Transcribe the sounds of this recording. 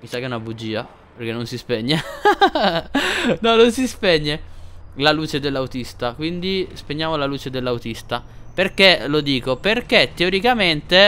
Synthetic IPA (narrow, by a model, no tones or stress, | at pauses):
misakːeunnabud͡ʒiːa | perk̟enːonsispɛɲːe | nɔnːonsispɛɲːelaluːt͡ʃed̪elːawt̪ist̪akwind̪ispeɲːjaːmolaluːt͡ʃed̪elːawt̪ist̪aperkelod̪iːkoperket̪ːeoɾikament̪e